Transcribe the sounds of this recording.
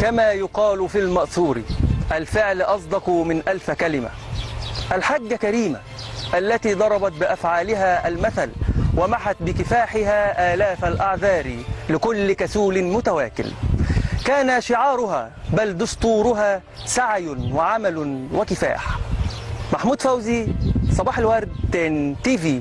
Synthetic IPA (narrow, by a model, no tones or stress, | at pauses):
kamaːjʊqɑːlfilmɑʔθuːɾḭʔalfɪʕlʔɑsˤd̪ɑqmɪnʔalfkalɪma̰ | ʔalħaɡːakaɾiːma̰ | ʔalːat̪iːd̪ˤɑɾˤɑbɑt̪̚bɪʔafʕaːlɪɦaːʔalmaθalwamaħat̪̚bɪkɪfaːħɪɦaːʔaːlaːfalʔaʕðɑːɾilɪkʊlːkæsuːlɪmʊt̪awaːkɪ̰lkaːnaʃɪʕɑːɾˤʊɦa̰ː | bald̪ʊst̪ˤuːɾʊɦaː | saʕjwɪʕamalwɪkɪfa̰ːħ | maħmuːd̪fawzisˤɑbɑːħalwæɾˤd̪t̪ent̪iːviː